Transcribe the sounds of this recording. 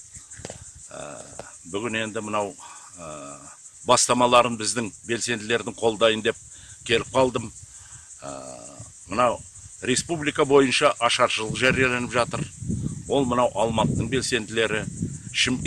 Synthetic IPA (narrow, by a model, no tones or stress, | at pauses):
bʏɡʲɪne̞nd̪ɪmənɑw | ə | bɑst̪ɑmɑlˠɑɾənbɪzd̪ɪŋbe̞lse̞nd̪ɪle̞ɾd̪ɪŋqʰo̞lˠd̪ɑjənd̪e̞p̚ | kʲʰe̞lɪp̚qʰɑlˠd̪əm̰ | mənɑw | ɾe̞spublijkɑbo̞jənʃɑʔɑʃɑɾʃəlˠəqʒæɾijele̞nɪpʒɑt̪əɾwo̞lˠmənɑwʔɑlˠmɑt̪ːəɴbe̞lse̞nd̪ɪle̞ɾɪʃɪmʲ